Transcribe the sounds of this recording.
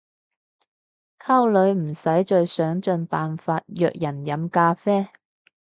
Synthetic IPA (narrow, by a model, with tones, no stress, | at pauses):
kʰa˥wlɵ˨˧ɥm̩˨˩sɐ˨˥jt͡ʃɵ˨˧ɥsœː˨˥ŋt͡ʃɵ˧npaː˨nfaː˧t̚jœ̰ː˧˨k̚jɐ˨˩njɐ˨˧˥mkaː˧fɛː˥